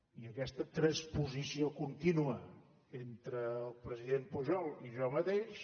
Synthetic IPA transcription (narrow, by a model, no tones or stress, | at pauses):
iəkɛst̪ət̪ɾəspuzisiokunt̪inuə | ent̪ɾəːlˠpɾəziðempuʒɔlˠiʒɔmət̪eʃ